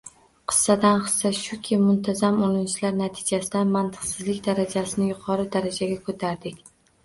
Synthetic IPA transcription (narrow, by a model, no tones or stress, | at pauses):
qʰɨ̥sːad̪anχɨ̥sːaʃʊkʲʰɪmʊnt̪ʰazamolˠɪnt͡ʃɪlaɾnat̪ʰɪ̥d͡ʒasɪd̪anmant̪ʰɨ̥qsɪzlɪkʲd̪aɾad͡ʒasɪnɪjʊqʰɒɾɪd̪aɾad͡ʒaɡʲakʰot̪ʰaɾd̪ɪkʲ